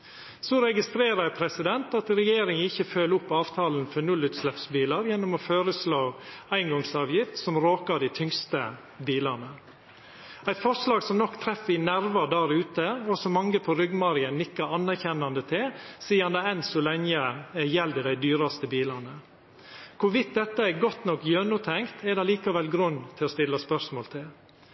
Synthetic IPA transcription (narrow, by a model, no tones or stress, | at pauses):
sɔɾɛɡɪst̪ɾeːɾəɾpʰɾɛsɪd̪ɛnt̪ɑt̪ɾɛjeːɾɪŋɪçːəføːləʊpːɑːʋt̪ʰɑːlən̩fɔnʉlːʉːt̪slɛpsbiːlɑɾjɛnːɔmɔːføːɾəsloːæɪŋɡɔŋsɑːʋjɪft̪sɔmɾoːkɑd̪æɪt̪ʰʏŋst̪ə | biːlɑnə | æɪt̪fɔʂlɑːɡsɔmnɔkt̪ʰɾɛfɪnæɾʋɑd̪æɾʉːt̪əɔsɔmɑŋəpʰɔɾʏɡmɑɾɪənnɪkːɑɾɑnːæɾçɛnːɑnd̪ət̪ʰɪlsiːɑnd̪ɛɛnsɔlɛŋəɛjɛld̪ɪd̪æɪd̪yːɾɑst̪əbiːlɑnə | kʰʊɾʋɪt̪̚d̪ɛt̪ːəɛɡɔt̪nɔkjøːnʊːt̪ʰɛŋkt̪ʰɛd̪ɑliːkɑʋɛlɡɾʉnːt̪ʰɪlɔst̪ɪlːəspœsmoːlt̪ʰɪl